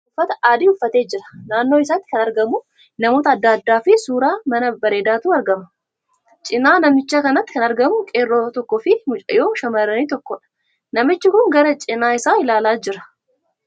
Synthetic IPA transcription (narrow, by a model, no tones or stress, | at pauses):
ʊfːɐt̪ɐʔaːd̪iːʊfːɐt̪e̞ːd͡ʒɪɾɐ̥naːnːoːɪs̬aːt̪ːɪ̥kɐnɐɾɡɐmʊ | nɐmo̞ːt̪ɐːd̪ːaɐd̪ːaːfɪsuːɾaːmɐnɐbɐɾe̞ːd̪aːt̪uːɐɾɡɐmɐ̥ | t͡ʃʼɪnaːnɐmɪt͡ʃːaːkɐnɐt̪ːɪkɐnɐɾɡɐmʊkʼeːrːoːt̪ɔkːɔfɪmʊt͡ʃʼɐ̰jo̞ːʃɐmɐɾɐniːt̪ɔkːɔᶑɐ̥ | nɐmɪt͡ʃːɪkʊŋɡɐɾɐt͡ʃʼɪnaːɪsaːɪlaːlaːd͡ʒɪɾɐ̥